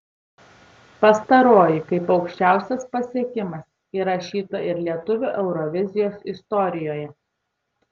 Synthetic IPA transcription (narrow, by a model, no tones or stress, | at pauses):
pɐst̪ɐɾoːjɪkɐɪpɒʊkʃʲt͡ʃʲæˑʊsʲɛspɐsʲiɛkʲɪmɐs | iːɾɐʃʲiːt̪ɐɪɾlʲiɛt̪ʊʋʲuːʔɛʊɾɔʋʲɪzʲɪjoːsɪst̪ɔɾʲɪjoːjɛ